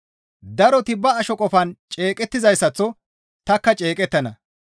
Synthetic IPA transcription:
d̪ɐɾɔt̪ɪbːɐːʃɔkʼɔfɐnt͡ʃʼe̞ːkʼɛt̪ːɪzɐjsːɐt͡sːɔ | t̪ɐkːɐt͡ʃʼe̞ːkʼɛt̪ːɐnɐ

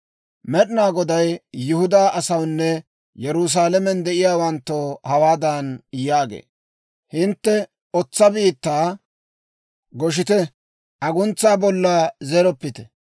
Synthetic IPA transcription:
mɛɗɪnaːɡɔd̪ɐjːʊhʊd̪aːʔɐsɐwnːɛ | jɛɾʊs̬aːlɛmɛnd̪ɛʔɪjaːwɐnt̪ːohɐwaːd̪ɐnjaːɡḛː | hɪnt̪ːɛ | ɔt͡sːɐbiːt̪ːaː | ɡɔʃ̬ɪt̪ɛ | ʔɐɡʊnt͡sːaːbɔlːazɛɾɔpːɪt̪ɛ̥

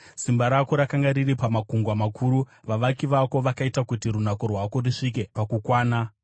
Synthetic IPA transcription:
simbaɾako̞ɾakaŋɡaɾiɾipamakuŋɡwamakʰuɾuʋaʋakiʋako̞ʋakaitakutiɾunako̞rwako̞riʂik̬e̞pakukwaːna

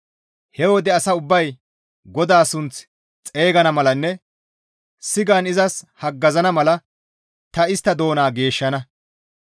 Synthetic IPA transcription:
hɛwɔd̪ɛɐsɐʊbːɐj | ɡɔd̪aːsʊnt͡s | t͡sʼe̞ːɡɐnɐmɐlɐnːɛ | sɪɡanɪzɐshɐɡːɐzɐnɐmɐlɐ | t̪ɐɪst̪ːɐd̪o̞ːnaːɡe̞ːʃːɐnɐ

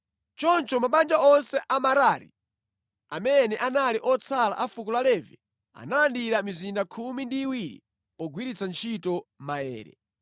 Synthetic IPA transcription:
t͡ʃɔnt͡ʃɔmaɓand͡ʒaʔɔnsɛʔamaɾaɾḭ | a̰mɛnɛʔanaliʔɔt͡sʰala̰ʔafukulalɛvḭ | a̰nalandiɾamizindakʰumindiːwiɾḭ | ɔɡwiɾit͡sʰant͡ʃʰitɔmaɛ̰ːɾɛ̰

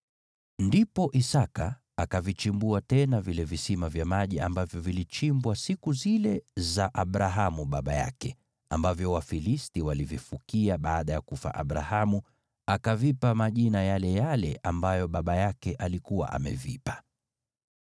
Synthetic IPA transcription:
ndipɔʔisakaː | kavit͡ʃimbuatɛnavilɛvisimavjamaʄiambavjɔvilit͡ʃimbwasikuzilɛzaʔaɓɾaɦamuɓaɓaja̰kɛ | ambavjɔwafilistiwalivifukiaɓaːɗajakufa̰ʔaɓɾa̰hamu | akavipamaʄinajalɛjalɛʔambajɔɓaɓajakɛʔalikuwa̰ʔa̰mɛ̰vḭpḁ

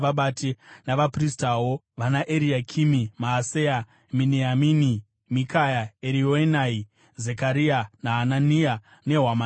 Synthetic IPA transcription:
ʋaɓatinaʋapristawo | ʋanaʔeɾiakʰimimaːseja | minejamini | mikajaeɾioenai | zekaɾianaɦanania | ne̞ɦwama

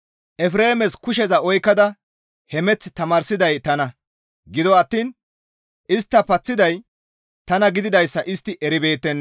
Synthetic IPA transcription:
ʔɛfɾe̞ːmɛskʊʃ̬ɛzɐɔjkːɐd̪ɐ | hɛmɛt͡sːt̪ɐmaːɾsɪd̪ɐjt̪ɐnɐ | ɡɪd̪ɔɐt̪ːiːn | ʔɪst̪ːɐpɐt͡sːɪd̪ɐj | t̪ɐnɐɡɪd̪ɪd̪ɐjsːɐʔɪst̪ːɪʔɛɾɪbe̞ːt̪ːɛnː

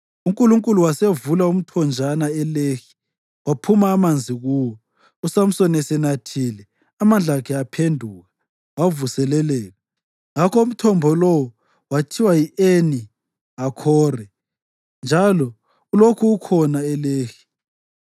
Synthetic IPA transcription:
uŋkʼuluŋkʼuluwasevulaum̩tʰɔnd͡ʒʱanaɛleːxi̥ | wapʰumaːmand͡zʱiɣuwɔ | usam̩sɔnɛsɛnatʰilɛ | amand͡ɮʱakʰɛapʰendʱuːɣa | wavusɛlɛlɛːlɛ | ŋakʰɔum̩tʰɔmbʱɔlɔwɔ | watʰiwajieni | akʰɔːrɛ | nd͡ʒʱalɔ | ulokʰuukʰɔnaɛleːxi̥

